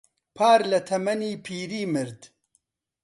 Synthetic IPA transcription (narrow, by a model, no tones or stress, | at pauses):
pʰaːɾlɐt̪ʰɐmɐniːpʰiːɾiːmɨɾd̪